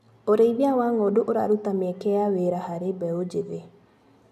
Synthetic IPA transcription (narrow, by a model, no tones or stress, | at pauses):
oɾeiβiawaŋoduʔoɾaɾut̪amiɛkeaweɾahaɾebɛod͡ʒiðe